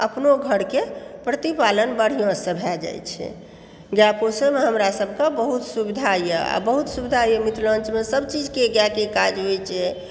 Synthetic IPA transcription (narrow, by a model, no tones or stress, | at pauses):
əpnoɡʱəɽkepɾət̪ipalənbəɽ̤ijõsəbʱɛd͡ʒa̰jt͡ʃʰɛ̰ | ɡjaposəmeɦəmɾasəbʱkebəɦut̪subid̪ʱajəa̰bəɦut̪subid̪ʱajəmit̪lənt͡ʃmesəbt͡ʃid͡ʒkeɡjakekad͡ʒɦojt͡ʃʰɛ